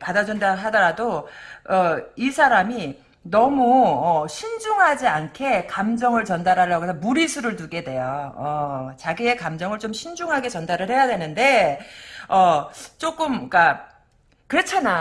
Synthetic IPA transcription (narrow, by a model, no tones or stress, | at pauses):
padad͡ʑundaɦadʌɾadoʌisʰaɾami | nʌmuʌɕʰind͡ʑuŋɦad͡ʑiankʰe̞kamd͡ʑʌŋɯɭt͡ɕʌndaɾɦaɭːaɡoesʰʌmuɾisʰuɾɯɭtuɡe̞dwe̞joʌt͡ɕaɡie̞kamd͡ʑʌŋɯɭt͡ɕomɕʰind͡ʑuŋɦaɡe̞t͡ɕʌndaɾɯɭhe̞jadwe̞nɯnde̞ | ʌt͡ɕ͈ok͈ɯmk͈a | kɯɾʌt͡ɕʰana